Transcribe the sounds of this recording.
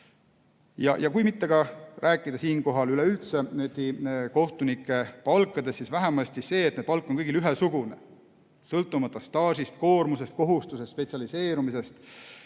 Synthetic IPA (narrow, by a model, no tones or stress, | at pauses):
jɑ̰jʔɑkujmit̪ːe̞ɡ̥ɑrʔæːkːˑid̪̥ɑsiːnko̞ɦɑlyleylt̪se̞net̪iko̞ht̪unikˑːe̞pɑlkːˑɑd̪e̞sːisvæɦemɑst̪sise̞ːeːt̪ned̥̪̚pɑlkˑːonkɤɡilyɦesuɡ̥une̞̰ | sɤlt̪ˑːumɑt̪ːˑɑst̪ɑːsʲist̪̚ko̞ːrmuse̞st̪̚ko̞ɦust̪usest̪spe̞t̪siɑlise̞ːɾumise̞st̪